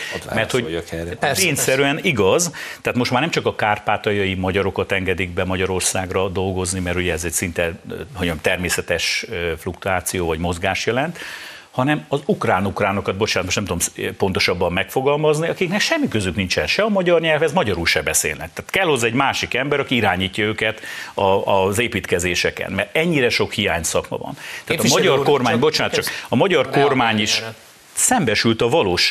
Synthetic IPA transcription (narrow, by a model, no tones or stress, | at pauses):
mɛrt̪ho | peːɲsɛɾyɛniɡɒzt̪aːt̪mo̞ʃt̪maːrnɛmt͡ʃɒkɒkaːrpaːt̪ɒjɒjimɒɟɒɾo̞kɒt̪ɛŋɡɛd̪iɡ̚bɛmɒɟɒɾo̞rsaːɡrɒd̪o̞lɡo̞znimɛɾuɟɛɛzɛcsint̪ɛoɲɛmt̪ɛrmeːsɛt̪ɛʃøflukt̪uaːt̪sijoːvɒɟmo̞zɡaːʃjɛlɛnt̪ | hɒnɛmɒzukraːnukraːno̞kɒd̪bo̞t͡ʃaːnt̪moʃnɛmt̪ud̪omspo̞nt̪o̞ʃɒbːɒmːɛkfo̞ɡɒlmɒzniɒkiknɛkʃɛmːikøzyknint͡ʃɛnʃɛɒmɒɟɒrɲɛlfɛzmɒɟɒɾulʃɛbɛsḛːlnɛ̰k̚t̪aːt̪kɛlho̞zːɒɛɟmaːʃikɛmbɛɾɒkiiɾaːɲiːcːɒøːkɛt̪ɒzeːpiːt̪kɛzeːʃɛkɛ̰nmɛrt̪ɛɲːiɾɛʃo̞khija̰ːɲsɒkmɒ̰vɒ̰nt̪aːt̪ɒmɒɟɒrko̞rmaːɲbo̞t͡ʃaːnt̪t͡ʃɒkɒmɒɟɒrko̞rmaːɲiʃ | sɛmbɛʃylt̪ɒvɒloːʃ